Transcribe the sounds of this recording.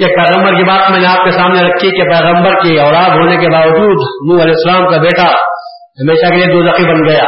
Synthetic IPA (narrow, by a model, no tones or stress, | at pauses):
ek̚pɛːɣə̃mbəɾkibaːt̪mɛ̃ːneaːp̚kesaːmneɾɐkʰːikepɛːɣə̃mbəɾkiɔːlaːd̪ɦoːnekebaːʋɐd͡ʒuːd̪nũːɐlɛːɪsːɐlaːmkabeːʈa | ɦɐmeːʃakelied̪oːzɐqibɐnɡɐjaː